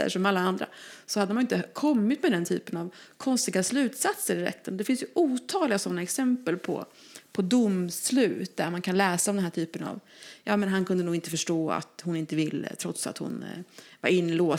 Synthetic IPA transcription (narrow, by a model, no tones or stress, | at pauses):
ə̰ʂɔmalːaand̪ɾa̰sɔhad̪ːəmanjɪnt̪əkʰɔmːɪt̪mɛd̪ɛnt̪ʰy̰ːpənavkʰɔnst̪ɪɡaslʉ̟ːt̪sat̪səɾɪɾɛ̰t̪ʰːənd̪ɛfɪnsjɵʔuːt̪ʰɑːɡlɪɡasɔnːaɛksɛmpəlpʰɔ̰ | pʰɔd̪ʊmslʉ̟ːt̪d̪æɾmankʰanlɛːsaɔmd̪ɛnɦæʈʰyːpəna̰vjɑːmɛnɦankʰɵnd̪ənuːɡɪnəfœʂʈoːa̰t̪hʊnɪnt̪əvɪlːə̰t̪ʰɾɔt̪sa̰t̪hʊ̰nva̰ɾɪnːloː